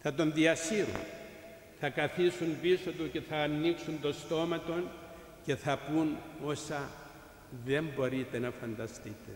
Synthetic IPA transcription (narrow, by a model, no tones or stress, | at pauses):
θɐt̪o̞nðiɐsiɾṵn | θɐkɐθisunbiso̞t̪uce̞θɐːnːiksunt̪o̞st̪o̞mɐt̪o̞n | ce̞θɐpuno̞sɐ | ðe̞mbo̞ɾit̪e̞nɐfɐnd̪ɐst̪it̪e̞